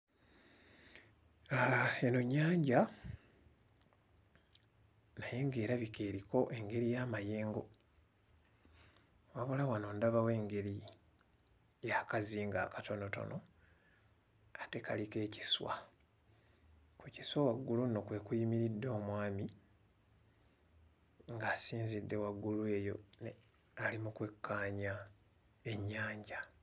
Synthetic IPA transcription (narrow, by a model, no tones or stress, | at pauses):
ae̞noɲːaːɲɟa | naje̞ŋɡe̞ːɾaβikeːɾiko̞ʔe̞ŋɡe̞ɾijamajeːŋɡo̞̰ | waβulawano̞ːndaβawe̞ːŋɡe̞ɾi | jakaziːŋɡakato̞no̞to̞̰no̞ | ate̞kalike̞ːci̥swa̰ | kuciswawaɡːulunokwe̞kujimiɾidːo̞ːmwaːmi | ŋɡaːsiːnzidːe̞waɡːulue̞jo̞̰n | alimukwe̞kːaːɲa | e̞ɲːaːɲɟa